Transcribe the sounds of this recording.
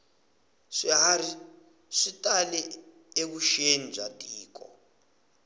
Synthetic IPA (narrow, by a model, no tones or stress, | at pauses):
ʂiaɾi | ʂitʼalɛ | ek̬uʃenid͡ʒatʼiːk̬ʼɔ̰